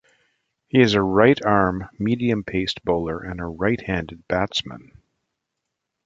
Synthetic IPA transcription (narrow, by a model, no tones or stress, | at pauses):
hiɨzɨɹaɪɾɑɹmːiɾiɨ̃mpʰeɪstb̥oʊlˠə˞ʔɨ̃nəɹaɪt̚hæ̃ndɨd̚b̥ætsmə̰̃n